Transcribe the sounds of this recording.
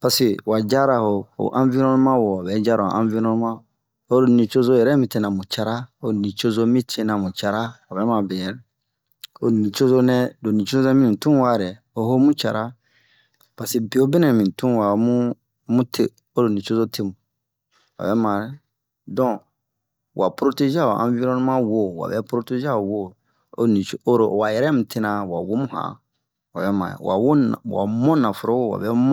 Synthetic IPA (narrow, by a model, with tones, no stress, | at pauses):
pa˨se˨wa˨d͡ʒa˦ɾa˨ho˨ho̰˨ʔã˦vi˦ɾɔ̃˦n˦mã˦wɔ˨ɔ˨bɛ˨˦d͡ʒa˦ɾa˨o̰˨ʔã˦vi˦nɔ̃˦n˦mã˦ | o˦ɾo˨nĩ˨t͡ʃo˦zo˦jɛ˨ɾɛ˦mĩ˨˦te˦nã˨mũ˨t͡ʃa˦ɾa˦o˦˨nĩ˨t͡ʃo˦zo˦mĩ˦tʰe˦nã˨mũ˨t͡ʃa˦ɾa˦ɔ˨bɛ˨˦mã˨bɛ˨jɛ˨ɾɛ˦ | o˦˨nĩ˨t͡ʃo˦zo˦nɛ̃˦do˨nĩ˨t͡ʃo˦zo˦ɛ̃˦mĩ˦ĩ˨tũ˦wa˦˨ɾɛ˨o˦ɦo˦mũ˦t͡ʃa̰˨ɾa˦ | pa˨se˨bi˨o˦bi˦nɛ̃˨mĩ˨tũ˦˨wa˨˦mũ˦ | mũ˦tʰe˦ | o˦ɾo˨nĩ˨t͡ʃo˦zo˦tʰe˦mũ˨ | wa̰˨bɛ˦mã˨ɾɛ˨ | dɔ̃˦ | wa˨pɾo˦te˦ʒa˦˨o̰˨ʔã̰˨˦vi˦ɾɔ̃˦nũ˦mã˦wo˦˨wa̰˨bɛ˦pɾo˦te˦ʒa˦˨wo˦ | o̰˦˨nĩ˨t͡ʃo˦o˦ɾo˨wa˨jɛ˨ɾɛ˦mũ˨tʰe˦nã˨wa˨wo˦mũ˦hã̰˨ | wa̰˨bɛ˦mã̰˨ɛ̰˨wa̰˨wo˦˨wa̰˨mɔ̃˦nã˨fʊ˨ɾo˦wo˦˨wa̰˨bɛ˦m̃˦